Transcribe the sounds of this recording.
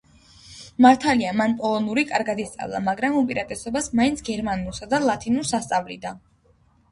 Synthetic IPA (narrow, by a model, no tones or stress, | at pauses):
maɾt̪ʰaliamanpʼɔlˠɔnuɾikʼaɾɡad̪ist̪sʼa̰vlˠa̰maɡɾamupʼiɾat̪ʼɛsɔbasmaint̪sʰɡɛɾmanulˠsad̪alˠat̪ʰinuɾsast̪sʼavlḭd̪a